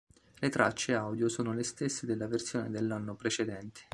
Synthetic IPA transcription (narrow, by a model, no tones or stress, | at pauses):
let̪ɾa̰t͡ʃːeawd̪josoːnolest̪esːed̪elːaversjoːned̪elːanːopɾet͡ʃed̪ɛnt̪ʰe̥